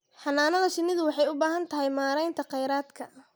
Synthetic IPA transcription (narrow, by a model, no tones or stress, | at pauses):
ħɑnːaːnɐðɐʃɪnːɪðʊwɑħɑjʊbaːɦɐnt̪ʰɐɦɛjmaːɾɛjnt̪ʰɐqɛjɾaːd̪kʰɐ